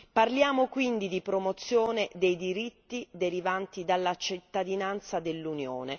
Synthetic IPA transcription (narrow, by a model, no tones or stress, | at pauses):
parljaːmokwind̪id̪ipɾomot̪sːjoːned̪ejd̪iɾit̪ːid̪eɾivant̪id̪alːat͡ʃit̪ːad̪inant̪sad̪elːunjo̰ːne